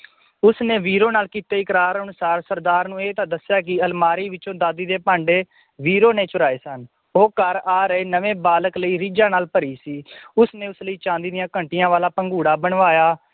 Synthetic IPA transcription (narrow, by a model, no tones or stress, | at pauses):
ʊsneːʋiːɾoːnaːlkiːt̪eːɪkɾaːɾɦənʊsaːɾsəɾd̪aːɾnũːeːt̪ãːd̪əsɪjaːk̬ɪəlmaːɾiːʋɪt͡ʃõːd̪aːd̪iːd̪eːpãːɳɖeː | ʋiːɾoːneːt͡ʃʊɾaːeːsən | oːkəɾaːɾəeːnəʋẽːbaːləkləiːɾiːd͡ʒãːnaːlpəɾiːsiːʊsneːʊsləiːt͡ʃãːnd̪iːd̪ɪjãːkəɳʈɪjãːʋaːlaːpəŋɡuːɽaːbəɳʋaːjaː